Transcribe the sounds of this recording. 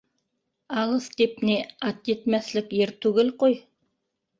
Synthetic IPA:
ɑlˠɤθt̪epneɑt̪jet̪mæθlɘkjeɾt̪ʉɡɘlqoj

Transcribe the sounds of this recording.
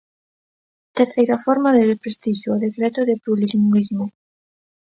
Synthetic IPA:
t̪eɾθejɾafɔɾmaðerepɾest̪iʃoːðekɾet̪oðepɾuliliŋulizmo

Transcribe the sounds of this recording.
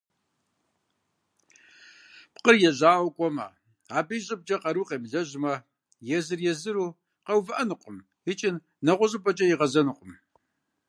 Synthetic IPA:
pqərjɛʑaːwkʷʼɔmɐ̰ | aːbijɕʼɪb̚t͡ʃʼɐqɐɾuːqeːmɮɐʑmɐ | jɛzɨrjɛzɨɾuː | qɐwvɐʔɐnɨqʷʼʊm | ɪt͡ʃʼɪn | nɐʁʷʊʑʼɨpʼɐt͡ʃʼɐjiʁɐzɐnɨqʷʼʊm

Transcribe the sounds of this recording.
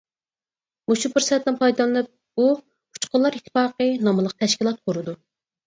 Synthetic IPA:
muʃupɨɾsɛt̪ːɨnpʰɑjd̪ɑlˠlɨp̚ | u | pʰu̥t͡ʃqʰʊnlˠɑɾit̪ʰːɪ̥fɑːqənɑmɨlˠəq̚t̪ʰɛʃkʲilˠɑt̪̚qʰoɾɨd̪u

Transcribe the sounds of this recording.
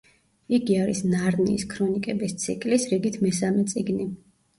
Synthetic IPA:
iɡiaɾḭsnaɾnḭːskʰɾɔnikʼɛbist̪sʰḭkʼlisɾiɡit̪ʰmɛsamɛt̪sʼiɡni

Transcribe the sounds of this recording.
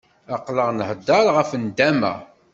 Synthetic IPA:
ɑqləʁnəhd̪ːɑɾʁəfənd̪æmæ̰

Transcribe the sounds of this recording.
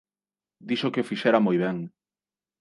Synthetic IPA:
d̪iʃokeofiʃɛɾamojβ̞ɛŋ

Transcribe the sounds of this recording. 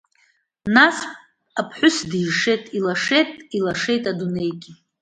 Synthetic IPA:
nas | apʰħʷʊsdjʂe̞jtʼilaʂejtʼilaʂe̞jtʼadune̞jɡʲʼi

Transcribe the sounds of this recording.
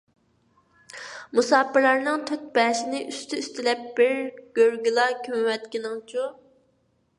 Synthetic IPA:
musɑːpɪlˠɑɾnɨŋt̪ʰøt̪̚bɛːʃɪnɪʔyst̪ʰyyst̪ɪlɛp̚b̥ɪɾɡ̥ʲøɾɡʲylˠɑkʲʰymwɛt̪̚kʲinɪŋt͡ʃʰu

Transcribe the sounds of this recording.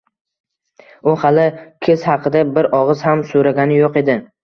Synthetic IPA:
ʊhɑlɪkʲʰez̥hɑqʰɨd̪abɪɾɒʁɨz̥hamsoɾaɡʲanɪjoqe̞d̪ɪ

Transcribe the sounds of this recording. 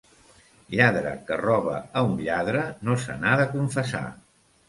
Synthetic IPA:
ʎaðɾə̰kərɔβə̰ːunʎaðɾənosə̰naðəkuɱfəsa̰

